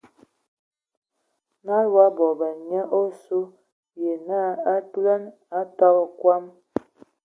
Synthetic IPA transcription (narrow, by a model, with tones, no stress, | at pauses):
na˦lwa˦bɔ˨bə˨ɲɛ˦ʔo˦su˦ | je˨na˦a˦tlɛ˦n | a˦tɔ˦ɣkwa˦m